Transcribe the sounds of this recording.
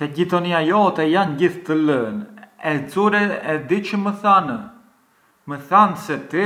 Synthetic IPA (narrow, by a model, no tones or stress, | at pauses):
sɛɟit̪ɔniajɔt̪ɛjanɟiθt̪ələnɛt͡suɾɛɛd̪it͡ʃəməθanə | məθansɛt̪i